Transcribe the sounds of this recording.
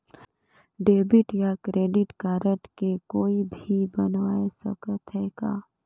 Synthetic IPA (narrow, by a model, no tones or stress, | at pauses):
ɖeːbɪʈjakɾeːɖɪʈkaːɾəʈkekoːibʱibənʋaːesə̰kət̪ɦɛkaː